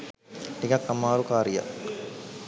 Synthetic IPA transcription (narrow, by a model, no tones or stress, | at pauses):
ʈikakːamaːɾukaːɾija̰